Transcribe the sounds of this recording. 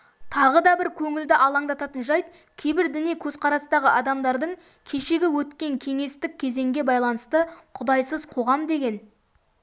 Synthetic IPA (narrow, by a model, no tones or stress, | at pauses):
t̪ʰɑʁəd̪ɑbɪɾkʲʰɵŋɪld̪ɪʔɑlˠɑɴd̪ɑt̪ɑt̪ənʒɑjt̪ | kʲʰe̞jbɪɾd̪ɪnijkʲʰɵz̥qʰɑɾɑst̪ɑʁəʔɑd̪ɑmd̪ɑɾd̪əɴ | kʲʰe̞ʃe̞ɡʲɪwɵt̪kʲe̞ŋkʲʰe̞ŋe̞st̪ɪk̚ʲʰːe̞ze̞ŋɡʲe̞bɑjlˠɑnəst̪əqʰʊd̪ɑjsəzqʰo̞ʁɑmd̪e̞ɡʲe̞n